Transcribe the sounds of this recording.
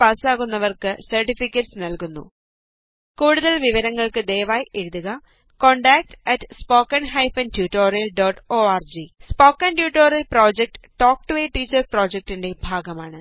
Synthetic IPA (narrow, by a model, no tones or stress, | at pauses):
pɐːsaːɣunːɐʋɐrkɨsɐrʈifikʲːɐʈsnɐlkunːṵ | kuːɽuðɐlʋiʋɐɾɐŋːɐɭkɨd̪eːʋaːjeɽuðuɣɐ | koɳɖaːk̚ʈɐtspo̞ːkːɐnɦɐjfɐntjuːʈːo̞ːrijɐlɖoːʈːoːaːrd͡ʑispo̞ːkːɐnʈjuːʈːoːrijɐlpro̞ːd͡ʑek̚ʈʈoːk̚ʈɨʋeʈːiːt͡ɕːɐrpro̞ːd͡ʑek̚ʈinde̞bʱaːɡɐmaːɳɨ